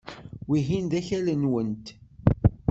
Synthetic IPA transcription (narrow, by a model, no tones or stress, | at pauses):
wiɦind̪æçælənwənt̪